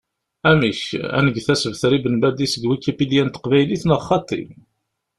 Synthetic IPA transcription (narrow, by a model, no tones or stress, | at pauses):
æmiçæ̰nəɡθæsəvθɾibənbæd̪isəɡwikːæpiljænt̪ə̥qvæjliθnəχːɑt̪ˤḭm